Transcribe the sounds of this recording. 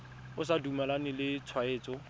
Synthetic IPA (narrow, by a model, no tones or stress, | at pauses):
ʊsadumɛlanɪlɪt͡sʰwaeːt͡sɔ